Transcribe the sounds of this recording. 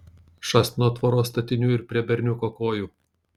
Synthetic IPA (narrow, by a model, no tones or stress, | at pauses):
ʃɑːsʲt̪ʲɪnoːt̪ʋoːɾoːst̪ɐt̪ʲɪnʲuːɪɾpʲɾʲiɛbʲɛɾʲnʲʊkoːkoːjuː